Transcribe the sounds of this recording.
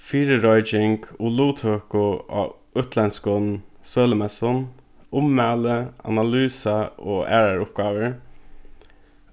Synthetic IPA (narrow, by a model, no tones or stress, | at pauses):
fiːɾəɹɔʏd͡ʒɪŋkuluːt̪ʰøːkʊʔ | ʉt̪ʰlɛnskʊn | søːləmɛsʊn | ʊmːæːləa̰nalyːsaoːʔæ̰ːɹaɹʊp̚ɡ̥ɑːʋəɹ